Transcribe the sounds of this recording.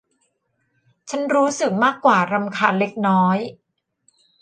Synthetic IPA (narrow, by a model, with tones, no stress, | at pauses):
t͡ɕʰa˦˥nɾuː˦˥sɯ˨˩k̚maː˥˩kːwaː˨˩ɾa˧mkʰaː˧˥nle˦˥k̚nɔː˦˥j